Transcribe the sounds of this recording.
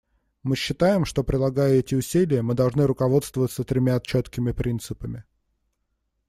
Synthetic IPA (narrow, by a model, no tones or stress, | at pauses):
mɨɕːɪt̪ajɪmʂt̪o̞pɾʲɪlˠɐɡajʊɛtʲɪʊsʲilʲɪjəmɨd̪ɐlˠʐnɨɾʊkɐvo̞t̪st̪vəvət̪sət̪ɾʲɪmʲaɐt̪̚t͡ɕːot̪kʲɪmʲɪpɾʲint̪sɨpəmʲɪ